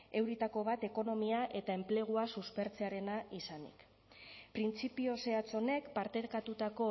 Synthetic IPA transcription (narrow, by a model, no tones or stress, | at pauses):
e̞wɾit̪ako̞β̞at̪e̞ko̞no̞miaʔe̞t̪ae̞mple̞ɣ̞uasuspe̞ɾt͡se̞aɾe̞naʔisanḭk | pɾint͡sipio̞se̞at͡so̞ne̞kpaɾt̪e̞ɾkat̪ut̪ako̞